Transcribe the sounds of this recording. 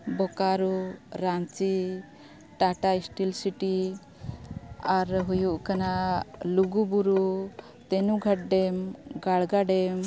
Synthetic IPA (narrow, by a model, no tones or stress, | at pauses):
bɔkaɾuɾat͡ʃi | ʈaʈaisʈilsiʈi | aɾɦujuʔkanaluɡubuɾu | t̪ɛnuɡʱaʈ̚ɖɛmɡaɭɡaɖɛm